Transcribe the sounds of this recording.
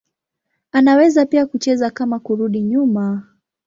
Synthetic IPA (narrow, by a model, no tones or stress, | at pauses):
anawɛzapiakut͡ʃɛzakamakuɾuɗiɲuma